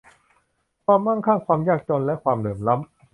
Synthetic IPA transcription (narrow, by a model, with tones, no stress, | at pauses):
kʰwaː˧mːa˥˩ŋkʰaː˥˩kʰwaː˧mjaː˥˩k̚t͡ɕoː˧nlɛ˦˥ʔkʰwaː˧mlɯː˩˦mla˦˥m